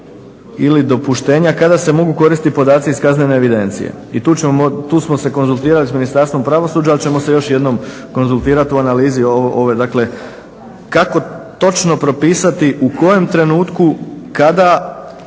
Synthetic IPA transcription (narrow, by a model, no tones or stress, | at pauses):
ilid̪o̞puʃt̪e̞ːɲakad̪ase̞mo̞ɡuko̞ɾist̪ipo̞d̪aːt̪siiskazneneːʋid̪e̞nt̪sḭjḛit̪uːt͡ɕeot̪uːsmo̞se̞ko̞nzulˠt̪iːɾalisminist̪aɾst̪ʋo̞mpɾaʋo̞suːd͡ʒaalˠt͡ɕe̞mo̞se̞jo̞ʃje̞d̪no̞m | ko̞nzulˠt̪iːɾat̪iuanaliːzioʔo̞ʋed̪akle̞ | kako̞t̪o̞t͡ʃno̞pɾo̞piːsat̪iʔuko̞je̞mt̪ɾe̞nuːt̪kukad̪a